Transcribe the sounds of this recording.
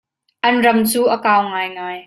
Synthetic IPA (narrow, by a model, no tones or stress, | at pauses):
ʔɐnrɐmt͡suːʔɐkaːwŋaːjŋaːj